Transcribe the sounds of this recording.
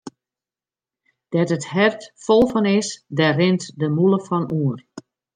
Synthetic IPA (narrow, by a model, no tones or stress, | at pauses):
d̥ɛtəthɛrtfolˠfɔnɪsdɛrɪntdəmulˠəfɔnuər